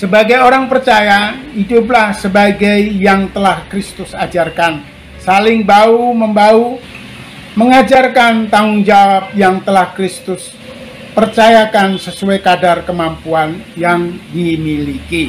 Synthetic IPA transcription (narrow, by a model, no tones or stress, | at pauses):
səbaɡajoɾaŋpərt͡ʃajaidʊp̬lahsəbaɡajjaŋt̪əlahkɾist̪ʊsad͡ʒarkan | salɪŋbauməmbau | məŋad͡ʒarkant̪aŋʊŋd͡ʒawap̚jaŋt̪əlahkɾɪst̪ʊs | pərt͡ʃajakansəsuajkadarkəmampuanjaŋdimiliki